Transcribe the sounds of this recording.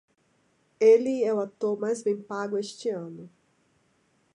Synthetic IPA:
elɪɛʊat̪oɾmajzbẽj̃paɡʊest͡ʃɪɐ̃nʊ

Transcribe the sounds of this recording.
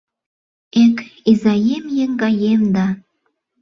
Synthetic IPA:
ekizɑjemjeŋɡɑjemd̪ɑ

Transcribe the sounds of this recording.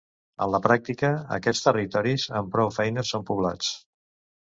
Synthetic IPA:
ə̰nləpɾak̚t̪ikəə̰kɛst̪ərit̪ɔɾizəmpɾɔwfɛjnəsompuβlat͡s

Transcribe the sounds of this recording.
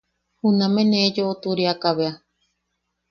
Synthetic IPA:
hunãmẽned͡ʒoʔot̪uɾiakaβea

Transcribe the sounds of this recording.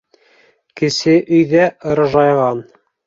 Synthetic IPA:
kɘ̆sɘʔɵ̆jðæʔɤ̆ɾɤ̆ʒɑjʁɑn

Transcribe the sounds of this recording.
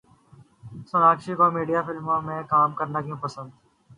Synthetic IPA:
sənaːkʃikomiːɖijaːfɪlmõmẽkaːmkəɾnakjũːpəsə̃nd̪

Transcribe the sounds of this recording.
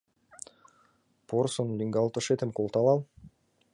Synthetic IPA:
poɾsonlʲiŋɡalˠt̪oʃet̪ĕmkolˠt̪ɑlˠɑlˠ

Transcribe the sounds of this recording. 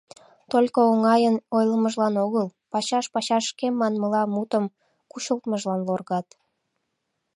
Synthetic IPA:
t̪olʲkooŋɑjənojləməʒlɑnoɣəlpɑɕɑʃpɑɕɑʃkemːɑnməlɑmut̪əm | kuɕəlˠt̪məʒlɑnlorɣɑt̪

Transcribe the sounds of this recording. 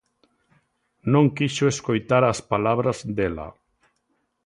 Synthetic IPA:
nõŋkiʃoeskojt̪aɾaspalaβɾazd̪ela̰

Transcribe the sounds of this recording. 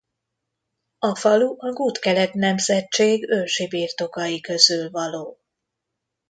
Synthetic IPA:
ɒfɒluʔɒɡuːt̪kɛlɛt̪nɛmzɛt͡ʃːeːɡølʃibiːrt̪o̞kɒjikø̞zylvɒloː

